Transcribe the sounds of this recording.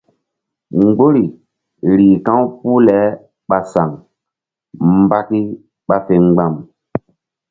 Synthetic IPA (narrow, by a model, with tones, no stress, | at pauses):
ŋɡ͡bo˦ɾi˨ | ɾiː˨kã˦wpu˦lɛ˨˦ | ɓa˨sa˨ŋ | mba˦ki˦ | ɓa˦fe˨ŋɡ͡ba˦˨m